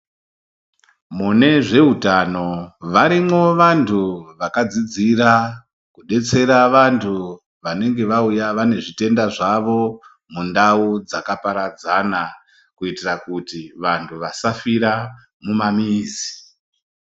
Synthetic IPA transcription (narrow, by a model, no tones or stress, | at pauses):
mune̞ʐe̞ɦutano̞ʋaɾimo̞ʋantʰuʋakad͡zid͡ziɾa | kuɗe̞t͡se̞ɾaʋantʰu | ʋane̞ŋɡe̞ʋaujaʋane̞ʐite̞ndaʐaʋo̞ | mundaud͡zakapaɾad͡zana | kuitirakutiʋantʰuʋasafiɾa | mumamiːzi